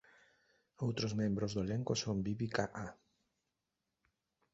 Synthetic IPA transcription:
owt̪ɾozmẽmbɾozðoeleŋkosombiβlikaʔa

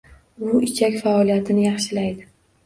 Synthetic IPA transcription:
ʊɪt͡ʃʰakʲfaɒlijat̪ʰɪnɪjɑχʃɪlajd̪ɪ

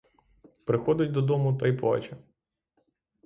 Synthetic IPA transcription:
pɾɪxɔd̪ʲʊtʲd̪ɔd̪ɔmʊt̪ɐjplˠɑ̰t͡ʃɐ

